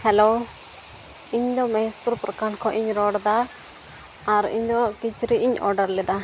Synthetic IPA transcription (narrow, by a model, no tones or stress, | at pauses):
hɛlo | iɲd̪ɔmɛɦɛspuɾpɾəkaɳkʰɔʔiɲɾɔɽd̪a | ɾḭɲd̪ɔkit͡ʃɾiʔiɲɔ̰ɾɖəɾlɛd̪a